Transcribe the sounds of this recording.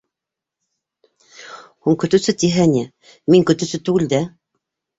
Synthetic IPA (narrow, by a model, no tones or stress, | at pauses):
huŋkɵ̆t̪ɵ̆sɘt̪iɦænʲɘ | miŋkɵ̆t̪ɵ̆sɘt̪ʉɡɘ̆ld̪æ